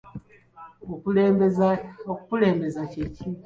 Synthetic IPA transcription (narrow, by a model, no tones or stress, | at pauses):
okue | okukule̞ːmbezaceci